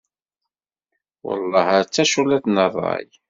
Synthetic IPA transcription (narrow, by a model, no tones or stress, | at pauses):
wə̰lˤːɑhæɾt͡sːæʃulæθnərˤːɑ̰j